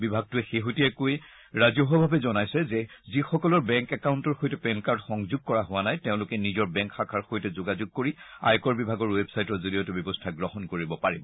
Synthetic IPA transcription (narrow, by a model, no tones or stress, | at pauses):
bibʱaɡ̚tʊɛxeɦutiɛkoj | ɹazɔɦɔbʱabɛzɔnajsɛzɛzixɔkɔlɔɹbɛŋkɛkaʊntɔɹxojtɛpɛnkaɹtxɔŋzʊɡ̚kɔɹaɦʊwanajteʊ̃lʊkɛnizɔɹbɛŋkxakʰaɹxojtɛzoɡazʊɡ̚koɹia̰jkɔɹbibʱaɡɔɹwebsajtɔɹzolijɔtʊbɔbɔstʰaɡɹɔɦɔnkoɹibɔpaɹibɔ